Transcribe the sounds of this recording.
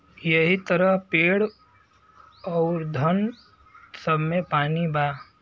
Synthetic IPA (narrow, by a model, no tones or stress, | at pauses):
jəɦit̪əɾəɦpeːɽ | ɔːɾd̪ʱən | səbmepaːnibaː